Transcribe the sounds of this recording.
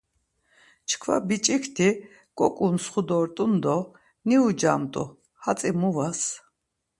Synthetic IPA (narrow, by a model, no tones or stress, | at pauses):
t͡ʃʰkʰva̰bit͡ʃʼikʰt̪ʰi | kʼɔkʼunsχud̪ɔːɾt̪ʼund̪ɔ | niud͡ʒaːmt̪ʼṵ | hat͡s̪ʼimuvas